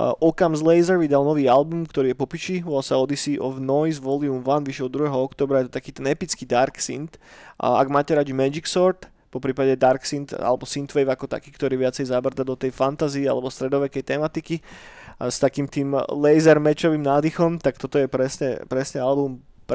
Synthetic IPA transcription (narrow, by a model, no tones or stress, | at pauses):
ʔɔkamzlɛjzɛɾʋid̪alnɔʋiːalbumkt̪ɔɾiːjɛpɔpiʃiɔsaɔd̪isiːʔɔvnɔjzʋɔliumʋanʋiʃɛlˠd̪ɾuɦɛɦɔɔkt̪ɔːbɾajɛt̪ɔt̪akiːt̪ɛnɛpit͡skiːd̪aɾksḭnt̪a̰ɡmaːcɛɾad͡ʒimɛd͡ʒiksɔɾt̪ | pɔpɾiːpaɟɛd̪aɾksint̪a̰lɛbɔsint̪ʋɛjvakɔt̪a̰kiːkt̪ɔɾiːʋɪat͡sɛjzabr̩t̪ad̪ɔt̪ɛjfant̪aziːa̰lɛbɔst̪ɾɛd̪ɔʋɛkɛjt̪ɛmat̪iki | st̪akiːmt̪iːmlɛjzɛɾmɛt͡ʃɔʋimnaːd̪ixɔmt̪ak̚t̪ɔt̪ɔjɛpɾɛsɲɛ̰pɾɛsɲɛalbum | p